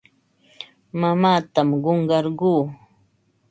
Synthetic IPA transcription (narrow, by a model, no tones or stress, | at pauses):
mamaːt̪amɢoɴɢɑɾɢuː